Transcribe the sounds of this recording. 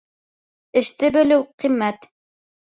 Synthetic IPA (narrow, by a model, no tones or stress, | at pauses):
ɘ̆ʃt̪ɘbɘ̆lɘwqimːæt̪